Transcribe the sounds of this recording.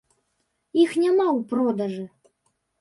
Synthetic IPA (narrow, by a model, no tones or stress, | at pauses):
ixnʲamawpɾɔd̪aʐɨ